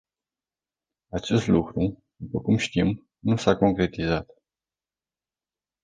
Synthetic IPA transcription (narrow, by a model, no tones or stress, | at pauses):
at͡ʃe̞st̪lukɾud̪upəkumʃt̪im | nusako̞ŋkɾe̞t̪izat̪